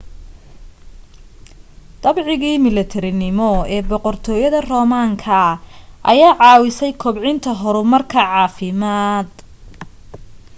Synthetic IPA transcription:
d̪̥ɐbʕɪɣiːmɪlɪt̪ʰɛɾɪnɪmɔɛːbɔqɔrt̪ʰɔːjɐðɐrɔːmaːŋkʰɐʔɐ̰jaːʕɑːwɪsɛjkʰɔbʕɪnt̪ʰɐɦɔɾʊmɐrkʰɐʕɑːfɪmaːd̪

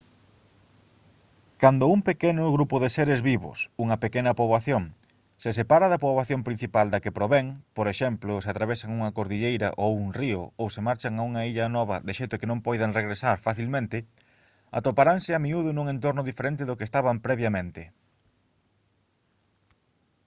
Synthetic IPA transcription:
kand̪ʊumpekenʊɣɾupʊðeseɾezβiβʊ̰suŋɐpekenɐpoβaθjoŋ | ses̬epaɾɐðɐpoβaθjompɾin̟θipald̪ɐkepɾoβɛŋpoɾeʃɛmplʊseat̪ɾaβesaŋuŋɐkoɾðiʎejɾɐ̰ʔowuŋriʊowsemaɾt͡ʃaŋauŋɐiʎɐnɔβɐ̰ðeʃejt̪ʊkenõmpɔjðeŋreɣɾesaɾfaθilmẽnt̪ɪ | a̰t̪opaɾaŋsɪamiuðʊnuŋẽnt̪oɾnʊðifeɾẽnt̪ɪðʊkest̪aβampɾɛβjamẽnt̪ɪ

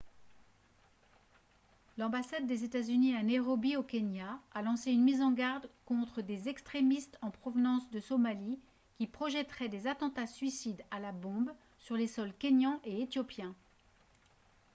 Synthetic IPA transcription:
lɑ̃basad̪ːezet̪azyniɛ̃neʁɔbiokʲenjaːlɑ̃seynmizɑ̃ɡaʁd̪kɔ̃t̪χəd̪ezɛkst̪χemist̪ɑ̃pχɔvnɑ̃sd̪əsɔmali | kʲipχɔʒɛt̪χɛd̪ezat̪ɑ̃t̪asɥisid̪alabɔ̃b | syʁlesɔlkʲenjɑ̃ʔeet̪jɔpjɛ̃

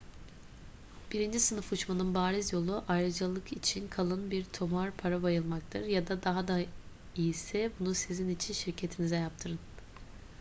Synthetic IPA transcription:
b̥iɾind͡ʒisɯnɯfut͡ʃmanɯnbaːɾizjo̞lˠuʔajɾɯd͡ʒalˠɯkʰit͡ʃʰinkʰalˠɯnbiɾt̪ʰomaɾpʰaɾabajɯlˠmak̚t̪ʰɯɾjad̪ad̪aɦad̪a | ijisɛbunusizinit͡ʃʰinʃiɾcʰe̞t̪ʰinizɛjap̚t̪ʰɯɾɯn

